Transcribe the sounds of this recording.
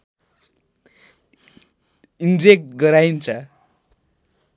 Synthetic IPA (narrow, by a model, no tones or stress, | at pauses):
ind͡zek̚ʈ̚ɡʌɾaint͡sʰʌ